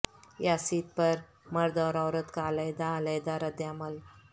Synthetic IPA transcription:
jasiːt̪̚pəɾ | məɾd̪ɔɾɔwɾət̪kaləjd̪aləjd̪aɾəd̪jaməl

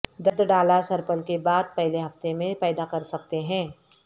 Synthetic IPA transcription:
d̪ɐd̪ɖaːlasɐɾpəlkebaːd̪̚pɛɦleɦɐft̪emẽpɛːd̪akɐɾsɐk̚t̪eɦɛ̃ː

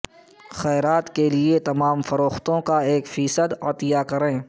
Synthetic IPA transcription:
xɛːɾaːt̪keliet̪ɐmaːmfɐɾoːxt̪õkaeːkfiːsəd̪ɐt̪ɪjakɐɾẽː

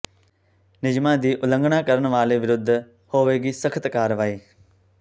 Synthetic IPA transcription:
nɪd͡ʒmãːd̪iːʔʊlə̃ŋɡɽ̃akəɾəɳʋaːleʋɪɾʊd̪ʱː | hoːʋeːɡiːsəkʰət̪kaːɾʋaːiː

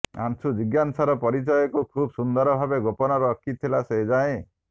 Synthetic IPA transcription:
a̰nsud͡ʒiɡjansaɾɔpɔɾit͡ʃɔjɔkukʰubsund̪ɔɾɔbʱabeɡopɔnɔɾɔːkʰit̪ʰilased͡ʒaẽ

